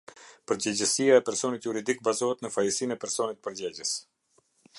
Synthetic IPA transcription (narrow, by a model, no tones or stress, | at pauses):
pəɾd͡ʑɛd͡ʑəsijaɛpɛɾsɔnit̪juɾid̪ik̚bazɔɦɛt̪nəfajəsinɛpɛɾsɔnit̪̚pəɾd͡ʑɛɟəs